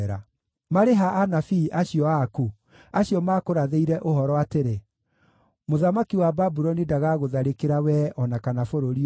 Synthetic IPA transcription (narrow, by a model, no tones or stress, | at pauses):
ɾa̰ | maɾeɦaʔːnafiːʔaɕiɔaku | aɕiɔmaːkoɾaðeiɾɛʔoɦɔɾɔateɾe | moðamakiwababuɾɔnidaɣaɣoðaɾekeɾawɛɔnakanafoɾoɾi